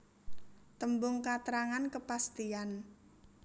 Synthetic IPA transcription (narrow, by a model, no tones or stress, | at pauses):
t̪əmbʊŋkat̪ɾaŋankəpast̪ian